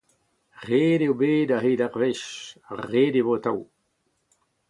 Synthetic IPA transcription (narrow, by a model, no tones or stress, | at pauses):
ʁeːdewbeːdaɦedaʁvɛʃaʁeːdevot̪aw